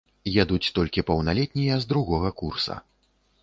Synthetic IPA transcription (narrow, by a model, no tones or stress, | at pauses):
jad̪ut͡sʲt̪ɔlʲkʲipɐwnalʲɛt̪ʲnʲijɐzd̪ɾuɣɔɣɐkursɐ̰